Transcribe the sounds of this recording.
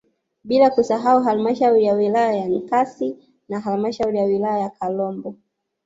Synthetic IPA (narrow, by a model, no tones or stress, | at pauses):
ɓilakusaɦauɦalimaʃauɾijawilajajaŋkasi | naɦalimaʃauɾijawilajajakʰalɔmbɔ